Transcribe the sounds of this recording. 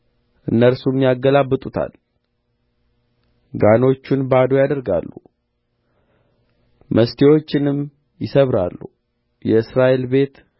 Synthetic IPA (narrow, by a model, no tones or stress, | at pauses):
ʔɨnːəɾsumjaɡːəlabːɨt̪ʼut̪ʰa̰l | ɡano̞t͡ʃːunbad̪o̞jad̪əɾɡa̰lːṵ | mʔəst̪ʰewo̞t͡ʃːɪnɨm | jɪsəβɾa̰lːṵ | jɛɨsɾaʔe̞lbe̞t̪